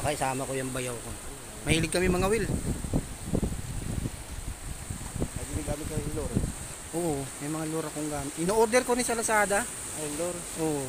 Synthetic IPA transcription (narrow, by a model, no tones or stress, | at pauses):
ɐkɐɪsaːmɐkojʊŋbɐjawko | mɐhiːlɪɡ̚kːɐmɪmɐŋawɪl | ɐjbilɪɡaːmɪt̪kɐisɪloɾ | ʔoːʔomɐjmɐŋaloɾɐkoŋɡaːmɪt̪ʔɪnoːʔoɾd̪ɛɾkoɾɪsɐlɐsaːd̪a | ʔɐjloɾʔoːʔ